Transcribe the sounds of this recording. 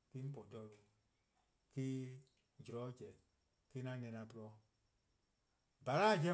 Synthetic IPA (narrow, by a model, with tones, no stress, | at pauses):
ki˦m̩˦pɔ˨dɔ˦˨ɾ | ki˦ | d͡ʒi˨ɾɔ˨˦d͡ʒɛ˨ | ki˦nã˦nɛ̃˨˧˨nã˧˨pɨ˦ɾɔ˦ | ba˨ɾa˦˨d͡ʒɛ̃˦